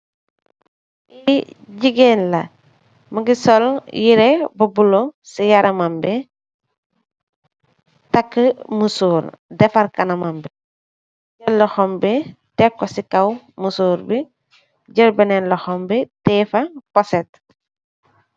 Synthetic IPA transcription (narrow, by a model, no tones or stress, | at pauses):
iɟiɡeːnlɐ̰ | mɐɡisɔljiɾɛbɐbulosijɐɾɐmɐmbɛ | tɐkːəmusuːɾdɛfɐɾkɐnɐmɐmbɛ | ɟəllːɔxɔmbɛ | tɛkːɔsikɐw | musuːɾbi | ɟəlbɐnɛnlɔxɔmbɛtɛfɐpɔsɛt̚